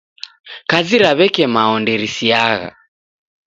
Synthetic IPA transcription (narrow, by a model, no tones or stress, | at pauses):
kaziɾaβɛkɛmaɔndɛɾisiaɣa̰